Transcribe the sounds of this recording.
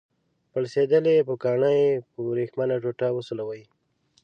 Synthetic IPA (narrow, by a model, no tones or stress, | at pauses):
pəɽsed̪əlepəkɑɳajpəɾexmanaʐoʈawəsolawaj